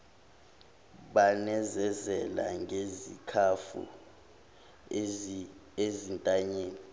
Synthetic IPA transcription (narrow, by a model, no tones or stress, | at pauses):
ɓanɛzɛzɛla̰ŋʱezḭkʰafṵ | ezintʼaɲeːni